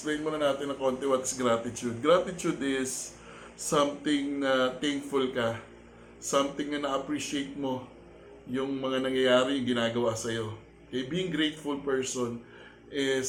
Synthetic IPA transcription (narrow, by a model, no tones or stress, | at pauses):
splejnmonɐnaːt̪ɪnːɐŋko̞nt̪ɛwɐt̪ɪ̥sɡɾat̪ɪt̪ud̪̚ɡɾat̪ɪt̪ud̪ɪsː | ɐmt̪ɪŋnɐt̪ɛŋkfʊlkɐ | sɐmt̪ɪŋnɐnɐʔɐpɾiʃɪejt̪̚mo̞ | jʊŋmɐŋanɐŋjɐjaːɾɛjʊŋɡɪnaːɡɐwasɐjo̞ | kɐjɪbiːɪŋɡɾejt̪fʊlpɛɹson | ʔɛs